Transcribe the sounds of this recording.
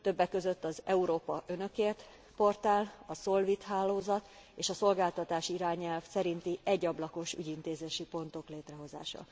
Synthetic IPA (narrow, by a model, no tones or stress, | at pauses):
t̪ø̞bːɛkːø̞zøt̪ːɒzɛuɾoːpɒʔønø̞keːrt̪ | po̞rt̪aːlɒso̞lvit̪ɦaːlːoːzɒt̪ | eːʃɒso̞lɡaːlt̪ɒt̪aːʃiiɾaːɲɛlfsɛɾint̪iɛɟːɒblɒko̞ʃy̰ɟint̪eːzeːʃipo̞nt̪o̞kleːt̪rɛɦo̞za̰ːʃɒ̰